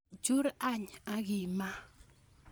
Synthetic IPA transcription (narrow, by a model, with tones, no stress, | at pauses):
d͡ʒu˦ɾa˦˨ɲa˦ɣɪ˨ma˦